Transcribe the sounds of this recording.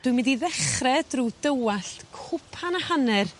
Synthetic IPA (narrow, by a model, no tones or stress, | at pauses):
d̥wɨmɪndiðɛχrɛd̥rudəwaɬtkʰʊpʰanahanɛr